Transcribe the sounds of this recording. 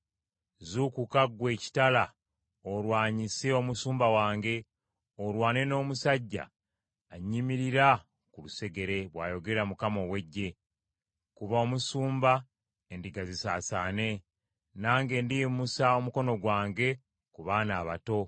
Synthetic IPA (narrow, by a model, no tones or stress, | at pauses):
zukukaɡwe̞ːci̥tala | oɾwaːɲiseo̞musuːmbawaːŋɡe̞ | oɾwaːne̞no̞ːmusaɟːa̰ː | ɲːimiɾiɾa | kuluse̞ɡe̞ɾe̞βwa̰ːjo̞ɡe̞ɾeɾamukamo̞we̞ɟːe̞ | kuβaomusuːmba | endiɡazisaːsaːne̞ | naːŋɡe̞ːndijimusao̞muko̞no̞ɡwaːŋɡe̞ | kuβaːnaːβato̞